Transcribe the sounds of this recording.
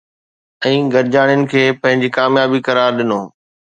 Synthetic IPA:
ɛ̃ːɡɐɾɪd͡ʑaːɽ̃ɪjʊnɪ̆kʰeːpɐ̃ɦɪ̃ɲd͡ʑikaːmjaːbikɐɾaːɾɗɪnoː

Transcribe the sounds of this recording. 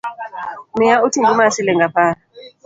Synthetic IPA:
mijautʰiŋɡimasilɛŋɡapaːɾa

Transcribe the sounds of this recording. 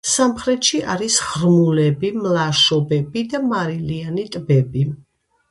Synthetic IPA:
samχɾɛt̪ʃiʔa̰ɾisʁɾmulɛbimlaʃɔbɛbid̪amaɾilianit̪ʼbɛbi

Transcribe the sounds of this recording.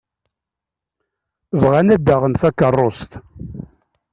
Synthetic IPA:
vʁanæd̪ːaʁənθækːərˤːost̪

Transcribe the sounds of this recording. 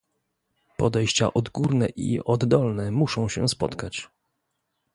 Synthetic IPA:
pɔd̪ɛjɕt͡ɕa̰ʔɔd̪ɡuɾnɛʔḭɔd̪ːɔlnɛmuʂɔ̃w̃ɕɛ̰spɔt̪kat͡ɕ

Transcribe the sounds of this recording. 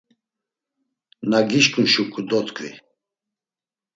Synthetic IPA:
naɡiʃkʰʼunʃukʼud̪ɔt̪kʰʼvḭ

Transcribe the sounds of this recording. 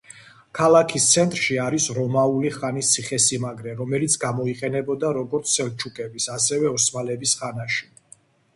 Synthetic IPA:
kʰalˠakʰist̪sʰɛnt̪ʼɾʃiaɾisɾɔmauliχanist̪sʰiχɛsimaɡɾɛɾɔmɛlit̪sʰɡamɔiqʼɛnɛbɔd̪aɾɔɡɔɾt̪sʰɛlt͡ʃʰukʼɛbisasɛvɛɔsmalɛbisχanaʃi̥

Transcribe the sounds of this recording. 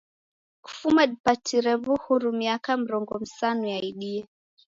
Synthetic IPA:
ku̥fumaɗipatʰiɾɛvuhuɾumiakam̩ɾɔŋɡɔm̩sanujaiɗiɛ

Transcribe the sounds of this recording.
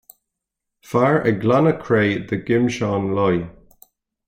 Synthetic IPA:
faɹʔəɡlanəkʰɹeːðəɡɪmʃaːnlɔj

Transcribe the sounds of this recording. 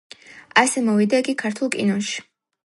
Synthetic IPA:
asɛmɔvid̪aiɡikʰaɾt̪ʰulˠkʼḭnɔnʃi̥

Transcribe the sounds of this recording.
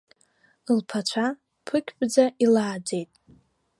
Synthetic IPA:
ɨlpʰat͡ʃʷʰa | pʰɨkʲʰʼpʼd͡zaʔilaːd͡ze̞jtʼ

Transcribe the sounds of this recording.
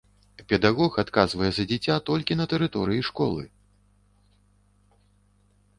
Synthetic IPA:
pʲɛd̪aɣɔxat̪kazvɐjɛzɐd͡zʲɛt͡sʲat̪ɔlʲkʲinɐt̪ɛɾɨt̪ɔɾɨjiʂkɔ̰lˠɨ̰

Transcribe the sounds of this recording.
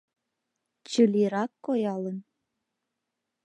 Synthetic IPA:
t͡ɕəliɾɑkːojɑlən

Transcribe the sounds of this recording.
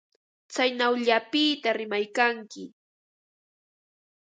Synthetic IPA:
t͡sajnawʎapiːt̪aɾɪmajkaŋkɪ

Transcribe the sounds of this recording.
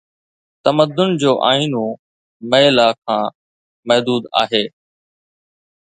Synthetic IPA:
t̪əməd̪ʊnd͡ʑoːʔaːiːnoː | məelaːkʰãː | mɐɦd̪uːd̪a̰ːɦeː

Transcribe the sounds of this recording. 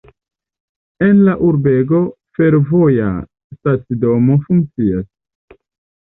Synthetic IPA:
enlaʔuɾbe̞ɡo̞ | fe̞ɾvo̞ja̰ | stat͡sido̞mo̞fuŋk̚t͡sias

